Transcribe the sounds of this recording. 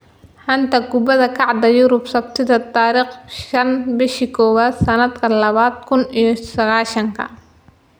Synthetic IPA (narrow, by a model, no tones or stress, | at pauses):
ħɐnt̪ʰɐɡʊbɐðɐkʰɑʕd̪ɐjʊɾʊbsɐbt̪ʰɪðɐt̪aːɾiːχʃɐnbɪʃikʰɔːwaːd̪sɐnɐd̪kʰɐlɐβaːd̪kʰʊnijɔsɐɣaːʃɐŋkʰɐ̰